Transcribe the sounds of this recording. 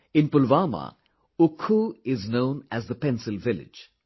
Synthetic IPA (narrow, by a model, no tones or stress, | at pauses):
ɪ̃npʊlʋaːma̰ | ʊkʰːuɪznõʊ̃næzðəpɛ̃nsɪlˠvɪlɪ̰̥d͡ʒ